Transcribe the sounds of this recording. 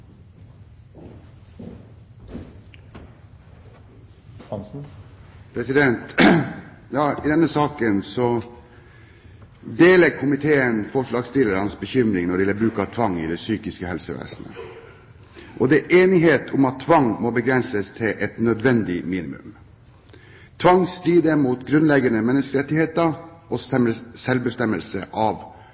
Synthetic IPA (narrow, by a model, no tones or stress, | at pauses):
pʰɾɛsɪd̪ɛnt̪ | jɑːɪd̪ɛnːəsɑːkənsɔ | d̪eːlɛɡkʰʊmɪt̪ʰeːənfɔʂɭɑːɡst̪ɪlːəɾhɑnsbəçʏmɾɪŋnɔɖɛɛləbɾʉːkəɑt̪ʰʋɑŋːɪd̪ɛsyːkɪskəhɛlsəʋæ̰ːsənə̰ | ʔɔd̪ɛɛʔeːnɪɦeːt̪ʰʊmɑt̪ʰːʋɑŋːmɔbəɡɾɛnsəst̪ʰɪlʔɛt̪nœd̪ʋɛnd̪ɪmiːnɪmʉ̰m | t̪ʰʋɑŋst̪ɾiːd̪əmuːt̪ɡɾʉnlɛɡənəmɛnːəskəɾɛt̪ːɪheːt̪əɾʔɔssɛlbəst̪ɛmːəlsə̰ʔɑʋ